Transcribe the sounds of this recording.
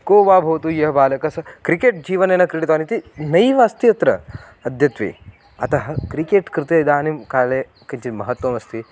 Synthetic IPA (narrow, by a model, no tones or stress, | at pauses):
koːʋaːbʱɐʋt̪ujɐɦɐbaːlɐkɐsɐkɾikeːʈ̚d͡ʒiːʋɐneːnɐkɾiɽit̪ʋaːnit̪inɐjʋaːst̪ijɐt̪ɾɐ̰ | ɐd̪ʱjɐt̪ʋḭ | ɐ̰t̪ɐɦɐkɾikeːʈkɾɪt̪eid̪aːnimkaːleː | kɐɲt͡ʃinmɐɦɐt̪wɐmɐst̪i